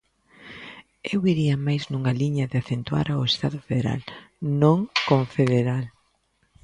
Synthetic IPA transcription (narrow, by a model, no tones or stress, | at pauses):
ewiɾiɐmajznuŋaliɲɐðɪaθent̪wa̰ɾaoest̪aðʊfeðeɾa̰l | nõŋkõɱfeðeɾal